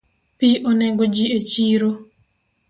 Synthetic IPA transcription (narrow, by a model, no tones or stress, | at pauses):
piʔonɛɡod͡ʒiet͡ʃiɾo